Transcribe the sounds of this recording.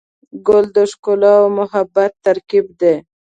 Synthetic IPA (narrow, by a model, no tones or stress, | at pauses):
ɡʊld̪əʃkolɑwmʊɦabat̪ːaɾkibd̪e